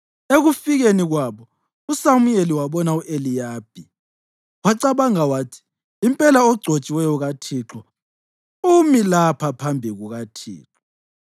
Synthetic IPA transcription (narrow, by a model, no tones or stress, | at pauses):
eɣufiɣeniɣwaβɔ | usamujeliwaβɔnauʔelijaːb̥ʱi | waǀaβaŋawaːtʰi̥ | impʼɛlaɔɡ͡ǀʱot͡ʃʼiwɛjɔɣatʰiːǁɔ | umilapʰapʰambʱiɣuɣatʰḭːǁɔ